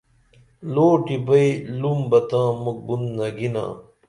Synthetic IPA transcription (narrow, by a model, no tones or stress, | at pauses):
loːʈibɐilumbɐt̪ãːmuk̚bund̪nɐɡinã̰ː